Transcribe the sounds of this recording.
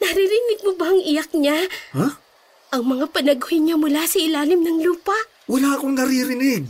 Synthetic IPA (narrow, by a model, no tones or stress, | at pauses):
nɐɾiɾɪnɪɡ̚mobɐɐŋʔɪjak̚ɲaha | ʔɐŋmɐŋapɐnɐɡhɪɲamʊlasɐʔɪlaːlɪmnɐŋluːpɐʔ | wɐlaːɐkoŋnɐɾiɾɪnɪɡ̚